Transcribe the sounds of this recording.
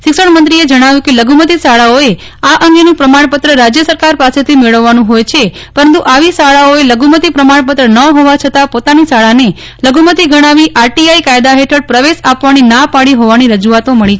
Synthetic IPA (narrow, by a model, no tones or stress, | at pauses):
ʃɪksəɳmənt̪ɾied͡ʒəɽ̃aʋjũkeləɡumət̪isaɭaoe | aʔəŋɡenũpɾəmaɳ̃pət̪ɾəɾad͡ʒjəsəɾkaɾpaset̪ʰimeɭəʋːanũɦojt͡ʃʰe | pəɾənt̪uʔaʋisaɭaoeləɡumət̪ipɾəmaɳp̬ət̪ɾənəɦoʋat͡ʃʰət̪apot̪anisaɭane | ləɡumət̪iɡəɽ̃aʋiʔaɾʈiaikajd̪aɦeʈʰəɽpɾəʋeʃapʋaninapaɭiɦoʋaniɾəd͡ʒuat̪oməɭit͡ʃʰ